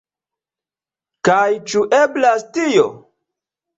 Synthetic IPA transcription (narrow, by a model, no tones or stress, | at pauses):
kajt͡ʃuʔeblastijo̰